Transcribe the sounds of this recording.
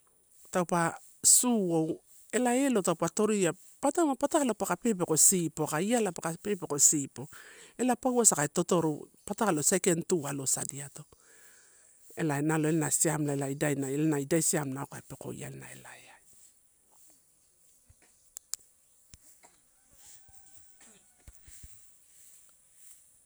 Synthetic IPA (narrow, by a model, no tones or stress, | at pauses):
tawpa | suo̞w | e̞lae̞lo̞tawpato̞ɾija | patamapatakalopakape̞p̬eko̞sipo̞kaialapakape̞peko̞sipo̞e̞lapawasakaeto̞to̞ɾopatakalo̞sekentualo̞sa̰diato̞ | elaenaloelnasiamlaelaidajnaelnaidajsiamnaokaepe̞ko̞̰j̰a̰lna̰ḛlaeaj